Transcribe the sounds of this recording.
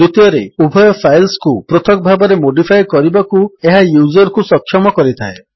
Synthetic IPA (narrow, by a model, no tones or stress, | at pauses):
ut̪jɔɾeubʱɔjɔpʰajlskupɾot̪ʰɔkɔbʱabɔɾemoɖipʰajkɔɾibakueɦajuzɔɾkusɔkʰːjɔmɔkɔɾit̪ʰae